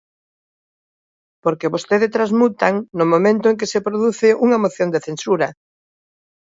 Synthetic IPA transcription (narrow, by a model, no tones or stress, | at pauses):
poɾkeβost̪eðɪt̪ɾazmut̪aŋnomomẽnt̪ʊeŋkesepɾoðuθɪʔuŋɐmoθjond̪eθensuɾɐ